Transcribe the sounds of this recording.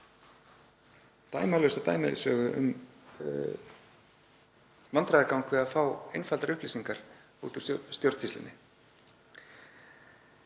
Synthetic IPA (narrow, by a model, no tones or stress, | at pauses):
t̪aːjmalœɥsat̪a̰ːjmɪðɪ̰sœːɣʏʔʏ̰m | vant̪ɾajðakawŋkʰvɛafaːwejnfalaɾʏhpliːsiŋkaɾ̥ | ṵːt̪ʏ̥st̪jowɾt̪sist̪ɪ̰nːɪ